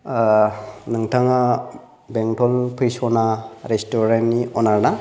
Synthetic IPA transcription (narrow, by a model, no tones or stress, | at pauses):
nɯŋtʰaŋa | beŋtʰɔlpʰɯjsɔnaɾestoɾenniɔnaɾna